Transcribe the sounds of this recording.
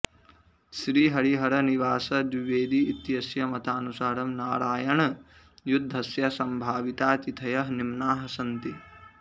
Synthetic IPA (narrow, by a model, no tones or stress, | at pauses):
ʃɾiːɦɐɾiɦɐɾɐniʋaːsɐd̪ʋiʋeːd̪iːt̪jɐsjɐmɐt̪aːnusaːɾɐmnaːɾaːjɐɳɐ | jud̪ʱːɐsjɐsɐmbʱaːʋit̪aːt͡ʃit̪ʰɐjɐɦnimnaːɦɐsɐnt̪i